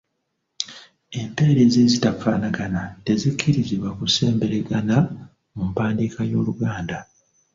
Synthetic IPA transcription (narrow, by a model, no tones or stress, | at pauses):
e̞mpe̞ːɾe̞ːzeːzitafaːnaɡanate̞zikʰːiɾiziβwakuse̞ːmbe̞ɾe̞ɡana | mumpaːndiːkajo̞̰ːluɡaːnda